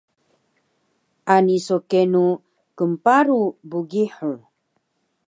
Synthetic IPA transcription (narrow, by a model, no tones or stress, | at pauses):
ʔanisokenu | kəmpaɾubuɡiħu